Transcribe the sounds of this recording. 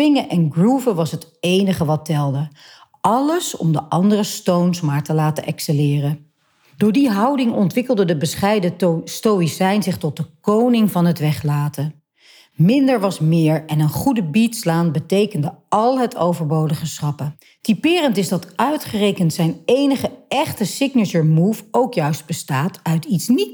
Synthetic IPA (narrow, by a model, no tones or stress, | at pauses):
ɪŋəʔɛnɡruvəʋɑsɦət | ejnəχəʋɑtɛlˠdə | ɑləsɔ̰mdəʔɑndərəstownsmaːɹtəlaːtəʔɛksəlɪːrə | d̥ʊːɹdiɦɑwdɪŋɔntʋɪkəlˠdədəbəsχɛjdəstowisɛjnzɪχtɔt̚dəkownɪŋvɑnɦətʋɛχlaːtə | mɪndəɹʋɑsmɪːɹɛnənχudəbitslaːnbətejkəndəɑlˠɦətʰowvəɹbowdəχəsχɑpə | tipɪːrəntɪzdɑtœɥtχərejkəntsɛjnejnəχəɛχtəsɪknət͡ʃəɹmufowkjœɥsd̚bəstaːtœɥtitsni